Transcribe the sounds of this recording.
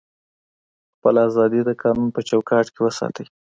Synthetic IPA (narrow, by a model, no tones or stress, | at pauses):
xpəlazɑd̪id̪əkʰɑnunpət͡ʃawkɑʈkewəsɑ̰t̪əj